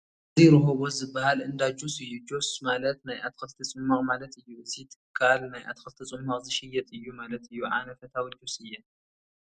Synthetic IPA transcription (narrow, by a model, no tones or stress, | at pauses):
ʔɨzijɾɨɦoβozɨbːɐhalɨnd̪ad͡ʒosɨjːud͡ʒosmalɐt̪najʔat̪xɐlt̪ʰɐt͡sʼɨmːɐχʼmalɐt̪ɨjːuɨzʰit̪ʰɨ̥kʰːalnajʔa̰t̪xɐlt̪ʰɐt͡sʼɨmːɐχʼzɨʃɪjːɛt̪ʼɨjːumalɐt̪ɨjːuʕa̰nɐfɐt̪ʰawid͡ʒosɨjːɛ